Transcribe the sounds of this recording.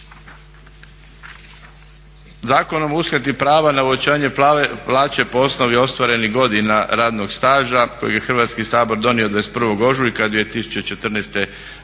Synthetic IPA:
zaːko̞no̞musket̪ipɾaːʋanauot͡ɕaːɲe̞plaːt͡ɕe̞po̞o̞sno̞ʋio̞st̪ʋaɾe̞niɡo̞d̪inaɾaːd̪noɡst̪aːʒako̞̰jeɡjexrʋat̪skisaːbo̞ɾd̪o̞nio̞d̪ʋespr̩ʋo̞ɡo̞ʒuikad̪ʋijet̪isu̥t͡ɕet͡ʃet̪r̩nest̪e̞

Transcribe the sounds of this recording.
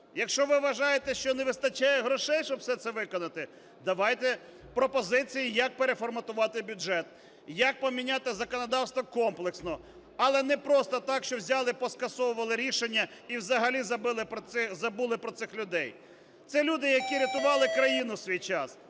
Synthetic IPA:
jɐkʃt͡ʃɔʋɪʋɐʒɑjet̪ɛʃt͡ʃɔneʋɪst̪ɐt͡ʃajɛɦɾɔʃɛjʃt͡ʃɔbwsɛt̪sɛʋɪkɔnɐt̪ɪ | d̪ɐʋɑjt̪ɛ | pɾɔpɔzɪt͡sʲijijɐk̚peɾefɔrmɐt̪ʊʋɑt̪ɪbʲʊd͡ʒɛt̪̚ | jɐk̚pɔmʲinʲat̪ɪzɐkɔnɔd̪ɑwst̪ʋɔkɔmplˠeksnɔ | ɐlˠɛnɛpɾɔst̪ɔt̪ɑkʃt͡ʃɔwzʲɑlˠɪpɔskɐsɔʋʊʋɐlˠɪɾʲiʃenʲːɐiwzɐɦɐlʲizɐbɪlˠɪzɐbulˠɪpɾɔt̪sɪxlʲʊd̪ɛj | t̪sɛlʲud̪ɪjɐkʲiɾʲɐt̪ʊʋɑlˠɪkɾɐjinʊsʲʋʲijt͡ʃɑs

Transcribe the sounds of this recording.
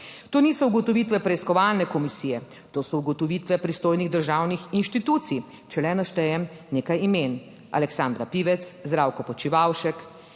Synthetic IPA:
t̪oːniːsɔuɡɔt̪ɔʋiːt̪ʋɛpɾɛiskɔʋalnɛkɔmisijɛ | t̪oːsɔuɡɔt̪ɔʋiːt̪ʋɛpɾist̪oːjniɣd̪əɾʒawnixinʃt̪it̪uːt̪si | t͡ʃɛlɛnaʃt̪ɛjɛmneːkajimen | a̰lɛksand̪ɾapiːʋɛt̪szd̪ɾaːwkɔpɔt͡ʃiʋawʃɛk

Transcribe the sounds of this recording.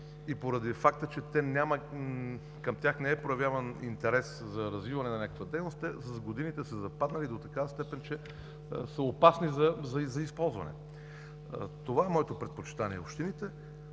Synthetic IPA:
ipoɾɐd̪ifak̚t̪ət͡ʃɛt̪ɛnʲamɐ | kɐmt̪ʲjaxnɛɛpɾojɐvʲjavɐnḭnt̪ɛɾɛszɐɾɐzvivɐnɛnɐnʲakəkvɐd̪ɛjnost̪t̪ɛsɐzɡod̪init̪ɛsəzɐpad̪nɐlid̪ot̪ɐkavəst̪ɛpɛnt͡ʃɛ | səopasnizɐzɐzɐispɔlˠzvɐ̰nɛ̰ | t̪ovaɛmɔɛt̪opɾɛt̪̚pot͡ʃi̥t̪aniɛopʃt̪init̪ɛ

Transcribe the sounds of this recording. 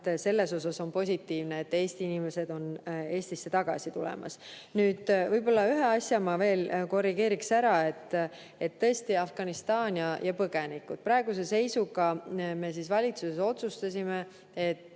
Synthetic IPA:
se̞lːe̞so̞sɑso̞npo̞sʲit̪ːiːvne̞ːt̪ːe̞ːst̪iinimese̞d̪o̞ne̞ːsʲt̪isːe̞t̪ɑɡ̥ɑ̰sit̪ulḛmɑ̰snyːd̪̥vɤjpo̞lːɑyɦe̞ɑsʲjɑmɑve̞ːlko̞rːiɡe̞ːɾiksæɾɑe̞t̪ː | e̞t̪ːɤ̞esʲt̪iɑfɡ̥ɑnist̪ɑːnʲjɑjɑpɤɡ̥e̞nikud̪t̪̚pɾɑeɡ̥us̬e̞se̞jsuɡɑme̞sisvɑlʲit̪suseso̞t̪sust̪ɑsʲime̞ | et̪ˑː

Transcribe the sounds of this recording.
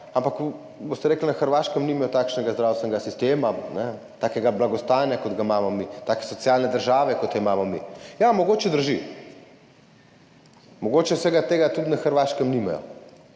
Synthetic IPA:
ampak | bost̪ɛɾeːklnaxəɾʋaːʃkɛmnimajɔt̪aːkʃnɛɡazd̪ɾawst̪ʋɛnɛɡasist̪eːmanɛ | t̪aːkɛɡablaɡɔst̪anjakod̪ɡamaːmɔmit̪aːkɛ̥sɔt̪sjaːlnɛd̪əɾʒaːʋɛkɔt̪imaːmɔmḭjamɔɡot͡ʃɛd̪əɾʒi | mɔɡot͡ʃɛwsɛɡat̪eːɡat̪ut̪naxəɾʋaʃkɛmnima̰jɔ̰

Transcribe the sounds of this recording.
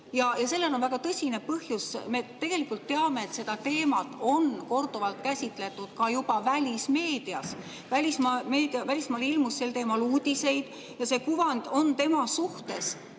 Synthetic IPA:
jɑjɑse̞lːelo̞nvæɡ̥ɑt̪ɤsʲine̞pɤhjusme̞t̪e̞ɡ̥e̞likːˑult̪ːe̞ɑme̞ːt̪se̞d̪̥ɑt̪e̞ːmɑt̪ˑo̞nko̞rd̪̥uvɑlt̪̚kæsʲit̪ˑle̞t̪ːˑud̪̥kɑjub̥ɑvælʲisme̞ːd̪̥iɑs | vælʲismɑme̞ːd̪iɑvælʲismɑːlilmusːe̞lt̪e̞ːmɑluːd̪̥ʲise̞jd̪̥ | jɑse̞kuvɑnd̪̥o̞nt̪e̞mɑsuht̪e̞s

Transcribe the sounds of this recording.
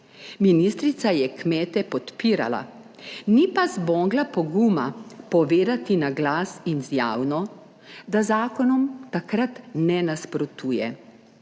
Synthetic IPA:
minist̪ɾit̪sajɛkmɛːt̪ɛpɔt̪piːɾa̰la̰ | nipazbɔːɡlapɔɡumapɔʋeːd̪at̪inaɡlaːsinzjaːwnɔ | d̪azaːkɔnɔmt̪akɾat̪nɛnaspɾɔt̪uːjɛ

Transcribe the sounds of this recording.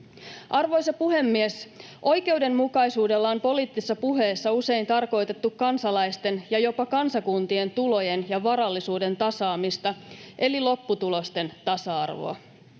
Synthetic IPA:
ʔɑrʋo̞jsɑpuɦe̞mːies | ʔo̞jke̞ude̞mmukɑjsuːde̞lːɑo̞mpo̞liːt̪ːise̥sːɑpuɦe̞ːsːɑuse̞jnt̪ɑrko̞jt̪e̞t̪ːukːɑnsɑlɑjst̪e̞njɑjo̞pɑkɑnsɑkunt̪ie̞nt̪ulo̞je̞njɑʋɑɾɑlːisuːde̞nt̪ɑsɑːmist̪ɑʔe̞lilo̞pːut̪ulo̞st̪e̞nt̪ɑsɑɑ̰rʋo̰ɑ̰

